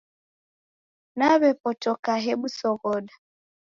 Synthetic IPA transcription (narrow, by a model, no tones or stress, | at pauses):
naβɛpɔtɔkaɦɛɓusɔɣɔɗa